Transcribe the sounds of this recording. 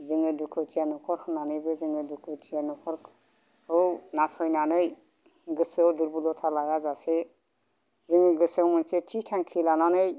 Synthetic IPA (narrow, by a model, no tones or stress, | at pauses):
ziŋɯdukʰɯtijanɔkʰɔɾkʰɯnanɯbɯzɯŋɯdukʰɯtʰijanɔkʰɔɾʰ | ɯwnasɔjnanɯj | ɡɯsɔwduɾbulɔt̪ʰalajazase | ziŋɯɡɯsawmɯnsetʰitʰaŋkʰilananɯj